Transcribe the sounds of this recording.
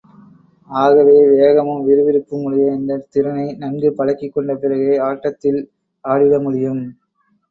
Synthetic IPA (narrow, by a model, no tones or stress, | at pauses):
aːɣɐʋeːʋeːɣɐmɯmʋɪɾɯʋɪɾɯpːɯmʊɻɪjɐɛnd̪ɐt̪ɪɾɐnɐɪnɐnɡɯpɐɽɐkːɪkːɔɳɖɐpɪɾɐɣeːaːʈːɐt̪ːɪl | aːɽɪðɐmʊɽɪjɯm